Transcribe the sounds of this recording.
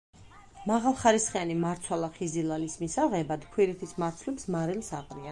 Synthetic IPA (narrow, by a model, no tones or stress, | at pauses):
maʁalˠχaɾisχianimaɾt̪sʰwalˠaχizilˠalismisaʁɛbad̪kʰwiɾɛt̪ʰismaɾt̪sʰlipsmaɾilˠsaqʼɾia